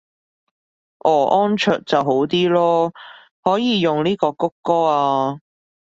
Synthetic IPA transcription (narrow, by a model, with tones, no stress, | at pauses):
ʔɔː˨˩ʔɔː˥nt͡ʃʰœː˨t̚t͡sɐ˨wɦo˨˥wt̪iː˥lɔː˥ | hɔː˨˥jiː˨˧jʊ˨ŋniː˥kɔː˧kʊ˥kːɔː˥aː˧